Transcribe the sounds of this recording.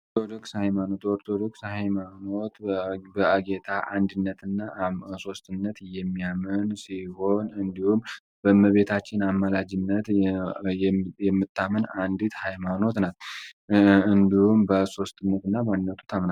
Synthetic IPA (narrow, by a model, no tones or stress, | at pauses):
ɾt̪ʰod̪o̞kshajmano̞t̪ɔɾt̪ʰod̪o̞kshajmano̞t̪bəʔaɡet̪ʰaʔand̪ɨnːət̪ʰɨnːaso̞st̪ɨnːət̪jɛmːijamənsiho̞nɨnd̪ihum | bəməβe̞t̪ʰat͡ʃːɪnamːalad͡ʒɪnːət̪ | jɛmːɨt̪ʰːamənand̪it̪hajmano̞t̪nat̪ | ɨnd̪ihumbəso̞st̪ɨnːət̪ɨnːabad̪nət̪ʰu̥t̪ʰamna